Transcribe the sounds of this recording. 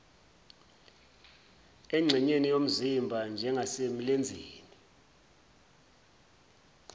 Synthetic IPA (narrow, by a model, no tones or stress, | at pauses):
ɛŋ͡ǀʱɛɲenijom̩zimbʱand͡ʒʱɛŋɡʱasemilend͡zʱiːni